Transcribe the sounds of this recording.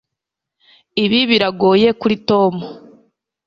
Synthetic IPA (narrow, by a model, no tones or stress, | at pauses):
iβiβiɾaɡo̞ːje̞kuɾitoːmo